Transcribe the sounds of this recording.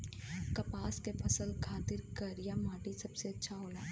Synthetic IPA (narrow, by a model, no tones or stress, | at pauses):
kɐpaːskepʰɐsəlkʰaːt̪ɪɾkɐɾjamaːʈisɐbseɐtːʃʰaɦoːlaː